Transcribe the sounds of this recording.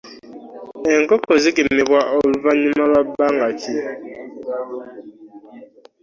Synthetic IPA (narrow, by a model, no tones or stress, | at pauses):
eŋ̩kɔkozik̬imebwaʔɔluvaɲimaβabaŋat͡ʃi